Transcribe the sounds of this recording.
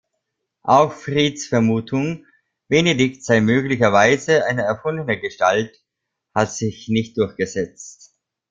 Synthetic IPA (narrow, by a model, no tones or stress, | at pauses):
ʔaʊxfʁ̥iːtsfɛɐmuːtʰʊŋ | b̥ɛnedɪktz̥aɪmøːɡlɪçɐvaɪzəʔaɪnəɛɐfʊndənəɡəʃtalt | hatz̥ɪçnɪçt̚d̥ʊɐçɡ̥əzɛt͡st